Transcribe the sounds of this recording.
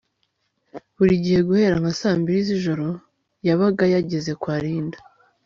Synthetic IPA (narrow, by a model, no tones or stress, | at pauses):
βuɾiɟihe̞ɡuhe̞ːɾaŋ̥hasaːmbiɾiziʒo̞ɾo̞ | jaβaɡajaɟe̞ze̞kwaːɾiːndḁ